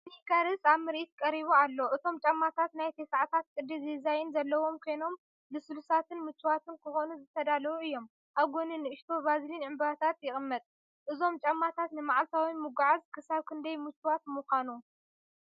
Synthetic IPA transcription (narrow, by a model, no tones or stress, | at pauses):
ħikaɾɨsaβmɨɾʔit̪̚kʼɐɾiβualːo̞ʔɨt̪ʰo̞mt͡ʃʼɐmːat̪ʰat̪najt̪ʰesaʕt̪ʰat̪̚kʼɨd̪izezajɪnzɐlːɐwo̞mkʰo̞jno̞m | lɨsɨlusat̪ʰɨnmɨt͡ʃːuwat̪ʰɨnkʰɨxo̞nuzɨt̪ʰɐd̪alɐwuɨjːo̞m | ʔaβɡo̞nɨnːɨɨʃt̪ʰo̞bazilinʕɨmbat̪ʰat̪jɪxʼɨmːɐt̪ʼ | ʔɨzo̞mt͡ʃʼɐmːat̪ʰat̪nɨmaʕalt̪ʰawimɨɡaʕazkʰɨsaβkʰɨnd̪ɐjmɨt͡ʃʰʼːuwat̪muxʷanu